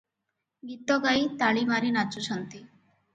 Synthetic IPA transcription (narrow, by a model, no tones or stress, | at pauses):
ɡit̪ɔɡait̪aɭimaɾiːnat͡suɕənt̪i